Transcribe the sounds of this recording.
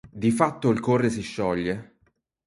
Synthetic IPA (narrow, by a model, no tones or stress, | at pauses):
d̪ifat̪ːoilkorːes̬iʃːɔʎːe